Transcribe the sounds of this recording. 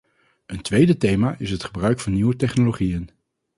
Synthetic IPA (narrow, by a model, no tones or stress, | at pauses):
əntʋejdətejmaːʔɪsɦətχəbrœɥkfɑnːiwətɛχnoloχijən